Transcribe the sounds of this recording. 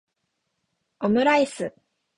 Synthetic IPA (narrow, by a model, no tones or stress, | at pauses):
omɯ̟ɾaisɨ